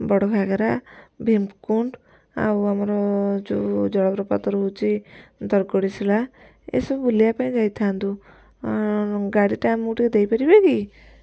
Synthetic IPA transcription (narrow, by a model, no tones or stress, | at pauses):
bɔɽɔkʰaɡaɾabʱempkuɳʈ | a̰wamɔɾɔd͡ʒud͡ʒɔɽɔbɾɔpat̪ɔɾɦut͡ʃid̪ɔɾɡɔɽisʰila | ḛsɔbbulijapaĩd͡ʒajt̪ʰand̪u | ɡaɽiʈamuʈiked̪ejpaɾibeki